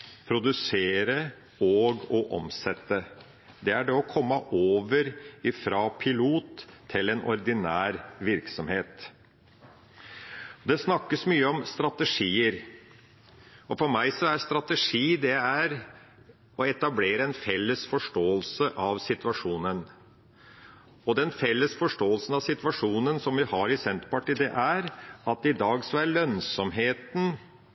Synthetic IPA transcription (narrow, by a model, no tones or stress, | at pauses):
pʰɾʊd̪ʉseːɾə | ɔɡɔʔɔ̰msɛt̪ːə | d̪ɛæɖɛɔkʰɔmːəʔoːʋəɾɪfɾɑːpʰɪluːt̪ʰːɪlɛnʔɔ̰ɾd̪ɪnæːɾʋɪɾksɔmheːt̪ | d̪ɛsnɑkːəsmyːəɔmst̪ɾɑt̪əʂiːəɾ | ɔfɔɾmæɪsɔæɾst̪ɾɑt̪əʂiːd̪ɛæɾ | ɔɛt̪ɑbleːɾəɛnfɛlːəsfɔʂʈoːəlsəʔɑʋsɪt̪ʋɑʂuːnən | ɔd̪ɛnfɛlːəsfɔʂʈoːəlsən̩ɑʋsɪt̪ʋɑʂuːnənsɔmʋɪhɑɾɪsɛnt̪pɑʈiːd̪ɛʔæɾɑt̪̚d̪ɛɪd̪ɑːɡsɔæɾɭœnsɔmɦeːt̪n